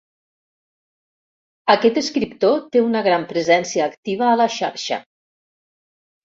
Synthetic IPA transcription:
əkɛt̪əskɾipt̪ot̪eunəɣɾampɾəzɛnsiəːkt̪iβ̞əːləʃa̰ɾʃə̰

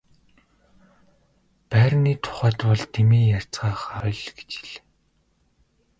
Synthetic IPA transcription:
pæːɾniːt̪ʰʊ̥χæːt̪pɔɮt̪emiːjar̥t͡sɢaːχɔjɮɡe̥t͡ɕi̥ɮ

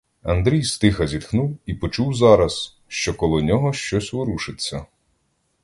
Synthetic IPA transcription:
ɐnd̪ɾʲijst̪ɪxɐzʲid̪xnuwipɔt͡ʃuwzɑɾɐs | ʃt͡ʃɔkɔlˠɔnʲɔɦɔʃt͡ʃɔsʲʋʊɾuʃɪt͡sʲːɐ

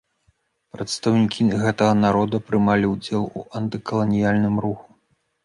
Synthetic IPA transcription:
pɾɐt̪st̪ɐwnʲikʲʰiɣɛt̪ɐɣɐnaɾɔd̪ɐpɾɨmalʲiwd͡zʲɛlˠṵʔɐnt̪ɨkɐlˠɐnʲijalʲnɨmɾuxu̥

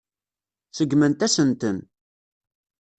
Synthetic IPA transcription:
θəɡːmənt̪æsənt̪ən

